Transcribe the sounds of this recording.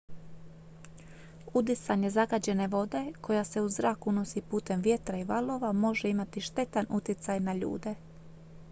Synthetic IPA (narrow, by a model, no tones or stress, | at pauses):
ud̪isaɲe̞zaɡad͡ʑe̞ne̞ʋo̞d̪e̞kʰo̞jase̞uzɾaːkuno̞sipuːt̪e̞mʋje̞t̪ɾaiʋalo̞ːʋamo̞ʒeimat̪iʃt̪e̞t̪anut̪jet̪sajnaʎṵːd̪e̞